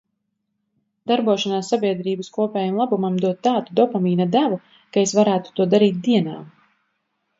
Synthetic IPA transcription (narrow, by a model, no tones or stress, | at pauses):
d̪̥aɾbuɔʃanaːsːabʲiɛd̪ɾiːbaskuɔpʲɛːjamlˠabumamd̪uɔt̪ːaːt̪ud̪ɔpamiːnad̪ævu | kaesvaɾæːt̪u̥t̪uɔd̪aɾiːt̪̚d̪iɛnaːm